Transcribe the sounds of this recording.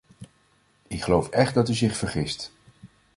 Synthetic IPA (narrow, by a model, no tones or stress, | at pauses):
ɪkχəlowfɛχt̚dɑtyzɪχfəɹχɪst